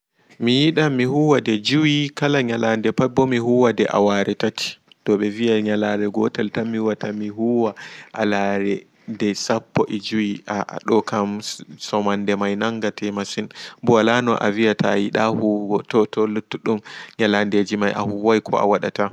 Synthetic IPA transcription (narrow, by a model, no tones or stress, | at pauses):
mijiɗamihuwadɛd͡ʒuwikalaɲalandɛpabɔmiɦuwadɛʔa̰waɾɛtati̥ | dɔɓɛvijaɲalaɾɛɡɔtaltamːiwatamiɦuwaʔa̰laɾɛ | dɛsapːɔʔid͡ʒuwia̰ɗɔkamsɔmandɛmajnaŋɡatʰɛmasinbuwalanɔʔa̰vijatʰajiɗahuɡɔtɔtɔlutːuɗumɲalandɛd͡ʒimajʔa̰huwajkʰɔ̰a̰waɗa̰ta